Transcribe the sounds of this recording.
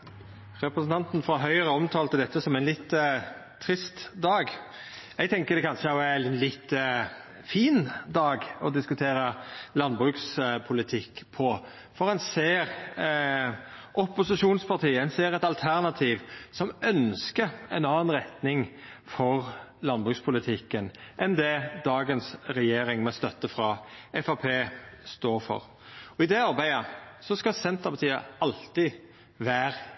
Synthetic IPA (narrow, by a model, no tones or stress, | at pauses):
ɾɛpɾəsn̩t̪ɑnt̪nfɾɑɦœʏəɾəɔmt̪ʰɑːlt̪əd̪ɛt̪ːəsɔmæɛnlɪt̪ːt̪ʰːɾɪst̪d̪ɑːɡ | ɛɡ̚t̪ʰɛŋkəd̪ɛkʰɑnʂəɔɛlɪt̪ː | fiːnd̪ɑːɡɔd̪ɪskʉt̪ʰeːɾəlɑnbʁʉːkspʰʊlɪt̪ʰɪkːpʰɔ | fɔʁɛnseːɾ | ʔɔpːʊsɪʂuːnspʰɑt̪iːəæɪnseːɾɛt̪ɑlt̪ʰæʁnɑt̪ʰiːʋsɔmœnskəɛɪnɑːnɾɛt̪nɪŋfɔʁlɑnbʁʉkspʰʊlɪt̪ʰɪkːənʔɛnd̪ɛd̪ɑːɡənsɾɛjeːɾɪŋmɛst̪œt̪ːəfɾɑɛfɑpʰeːst̪oːɾfɔ̰ʁ | ɔɪd̪ɛɑɾbæɪəsɔskɑsɛnt̪əpʰɑt̪ʰiːə̰ɑlt̪ɪ | ʋæːʁ